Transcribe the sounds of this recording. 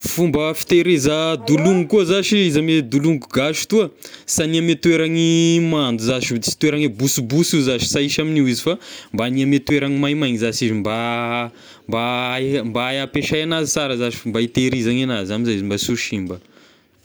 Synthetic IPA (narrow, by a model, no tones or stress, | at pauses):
fumbəfi̥t̪eɾezəd̪uluŋikuəzaʃiizamed̪uluŋikuɡaʃu̥t̪uəsaniamet̪weɾaŋimand̪uzaʃit͡si̥t̪weɾaŋibusubusizaʃi̥saiʃaminiwizifambaniamet̪weɾaŋimajmajŋizaʃizimba | mbambajapeʃajanazit͡saɾəzaʃi̥fmbait̪eɾizaŋanazamizaizimbasuʃimbə